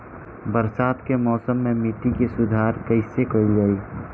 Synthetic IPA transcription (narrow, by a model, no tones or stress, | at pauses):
bəɾsaːt̪kemɔːsəmːemit̪ikesʊd̪ʱaːɾkəɪsekəild͡ʒaːi